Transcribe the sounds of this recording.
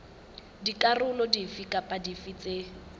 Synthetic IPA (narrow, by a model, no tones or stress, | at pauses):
dikʼarʊlɔdifikʼapʼadifit͡sʼe